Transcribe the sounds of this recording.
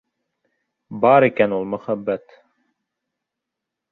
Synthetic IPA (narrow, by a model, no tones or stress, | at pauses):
bɑɾikænulˠmɵχæbːæt̪